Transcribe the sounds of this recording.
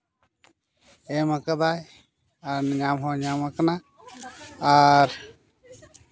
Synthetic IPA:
ɛmakad̪aj | aɾɲamɦɔɲamakanaː | ɾ

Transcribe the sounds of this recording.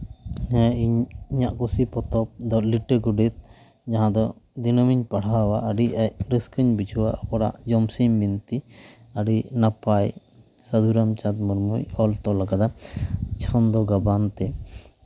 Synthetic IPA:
ɲɛ̃iɲiɲaʔkusipɔt̪ɔp̚d̪ɔliʈəɡuɖit̪̚ | d͡ʒaɦãd̪ɔd̪inəmiɲpaɽ̤awaʔəɖiac̚ɾiskəɲbid͡ʒʰʱuwaʔɔpɔɽa̰ʔd͡ʒɔmsimbint̪i | aɽinapaj | sad̪ʱuɾamt͡ʃat̪̚muɾmujɔlt̪ɔlaɡad̪at͡ʃʰɔnd̪ɔɡabant̪ɛ

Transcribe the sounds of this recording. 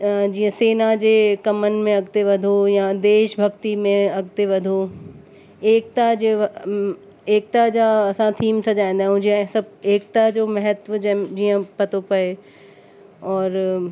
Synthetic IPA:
d͡ʑiːə̃seːnad͡ʑeːkɐmənɪ̆mẽɐɡt̪eʋɐd̪ʱojad̪eːʃbʱɐɡt̪imẽɐɡt̪eʋɐd̪ʱo | eːk̚t̪ad͡ʑe | eːk̚t̪ad͡ʑaɐsãt̪ʰiːmsɐd͡ʑaːĩn̆d̪aɦɦʊ̃ɦd͡ʑiãsɐb̚eːk̚t̪ad͡ʑoːmɐɦət̪ʋəd͡ʑɐd͡ʑiːə̃pɐt̪opɐe | ɔːɾ

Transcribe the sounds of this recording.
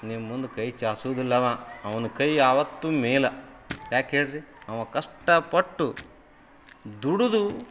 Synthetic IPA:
nimːund̪ukɐjt͡ʃaːsuːd̪ilːɐʋaːɐʋɐnukɐjaːʋɐt̪ːumɛːlɐjaːkeːɽɾiɐʋɐkɐʂʈːɐpɐʈːu | d̪uɽud̪u

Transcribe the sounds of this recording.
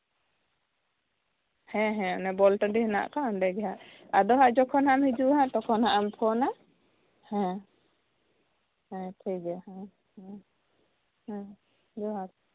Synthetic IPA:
hɛ̃ɦɛ̃ɔnɛbɔlʈəɖihɛna̰ʔkanɖɛɡɛɦaʔ | ad̪ɔɦaʔd͡ʒɔkʰɔnhaamhid͡ʒuʔɦaʔt̪ɔkʰɔnhaʔampʰɔna | hɛ̃ | hɛ̃ʈʰikɛhɛ̃ | hɛ̃ | hɛ̃ | d̪ɔɦat

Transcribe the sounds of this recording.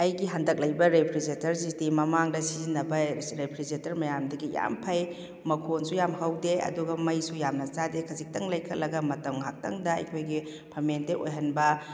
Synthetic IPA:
ɐjɡiɦandɐk̚lɐjbɐɾepʰɾizetɐɾzistimɐmaŋdɐsizinːɐbɐɾepʰɾizetɐɾmɐjamdɐɡija̰mpʰɐj | mɐkʰonsujamhɐwdeɐ̰duɡɐmɐjsujamnɐsadekʰɐzik̚tɐŋlɐjkʰɐlɐɡɐmɐtɐmɦak̚tɐŋdɐɐ̰jkʰojɡi | pʰɐmenteʔo̰jɦɐnbɐ

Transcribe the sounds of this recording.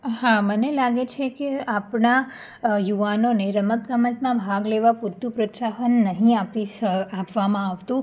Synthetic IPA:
ɦamənelaɡet͡ʃʰekeapɳa | juʋanoneɾəmət̪kəmət̪mãbʱaɡleʋapuɾt̪ũpɾət͡ʃaɦənːəɦĩapt̪iapʋamãaʋt̪ũ

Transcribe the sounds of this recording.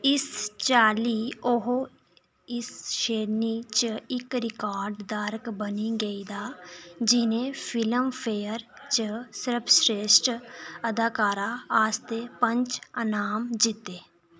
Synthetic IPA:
ɪst͡ʃaːliːoɦo | ɪsʃeːɾnit͡ʃəɪkɾɪkaːɾɖd̪aɾkbəniɡəid̪aːd͡ʒɪnẽpʰɪləmpʰeːəɾt͡ʃəsɪɾpʰsɾeːʃʈəd̪aːkaːɾaaːst̪epə̃ɲt͡ʃənaːmd͡ʒɪt̪eː

